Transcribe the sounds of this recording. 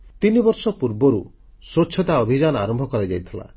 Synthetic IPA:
t̪inibɔɾsɔpuɾbɔɾu | sot͡ʃʰɔt̪aɔbʱid͡ʒanɔa̰ɾɔmbʱɔkɔɾajd͡ʒajt̪ʰila̰

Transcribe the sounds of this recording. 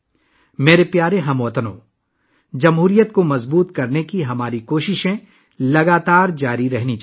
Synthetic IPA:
meːɾepjaːɾeɦɐmʋət̪ənõ̰ː | d͡ʒɐmɦuːɾijət̪̚komɐzbuːt̪kɐɾnekiɦɐmaːɾikoːʃɪʃẽ | lɐɡaːt̪aːɾd͡ʒaːɾiɾɐɦnit͡ʃ

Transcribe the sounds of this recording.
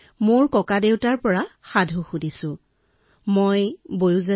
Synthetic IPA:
moɹkɔkadewtaɹpɔɹaxadʱuxudisʊ̃ | mojbojuza

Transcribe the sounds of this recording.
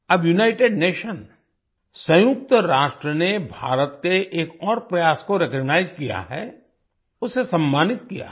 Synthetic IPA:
ɐbjunaːɪʈeːɖneːʃən | sɐ̃jʊk̚t̪əɾaːʃʈɾənebʱa̰ːɾət̪keʔeːkɔːɾpɾɐjaːskoɾeːkəɡnaːɪzkija̰ɦɛ̰ | ʊsesɐ̃mːaːnɪt̪̚kija̰ː

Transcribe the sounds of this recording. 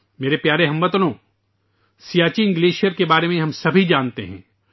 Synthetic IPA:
meːɾepjaːɾeɦɐ̃mbət̪nõː | sijaːt͡ʃiɪ̃ŋɡleːʃijəɾkebaːɾemẽɦɐmsɐbʱid͡ʒaːnt̪ḛɦɛ̰̃ː

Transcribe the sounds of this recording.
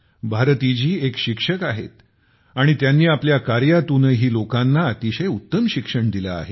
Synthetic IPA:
bʱaɾt̪id͡ʑiːekɕikʂəkaɦḛt̪ | aɽ̃it̪janːiːapljakaɾjat̪unəɦiːlokanːaːt̪iɕəjut̪ːəmɕikʂəɳd̪ila̰ːɦe

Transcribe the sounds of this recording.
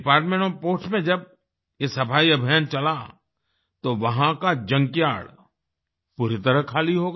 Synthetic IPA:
paːɾʈmẽːɳõpoːsmẽd͡ʒɐb | jesɐpʰaːiɐbʱijənt͡ʃɐla | t̪oʋɐɦãkad͡ʒɐ̃ŋkja̰ːɽ | puɾɪt̪əɾəkʰaːliɦoːɡ

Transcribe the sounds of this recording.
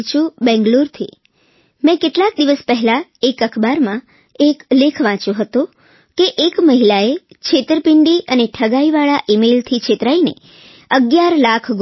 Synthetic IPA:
t͡ʃʰũbɛ̃ŋɡluɾt̪ʰi | mɛ̃keʈlak̚d̪iʋəspəɦɛlaekəkʰbaɾmã | eklekʰʋãt͡ʃũɦət̪ũ | keʔekməɦilae | t͡ʃʰet̪ɾəpiɳɖiʔəneʈʰəɡaiʋaɭaʔimelt̪ʰit͡ʃʰet̪ɾainḛ | əɡjaɾlakʰɡ

